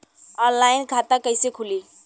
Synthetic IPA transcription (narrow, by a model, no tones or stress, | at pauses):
ɔnlaːɪnkʰat̪akəɪsekʰʊli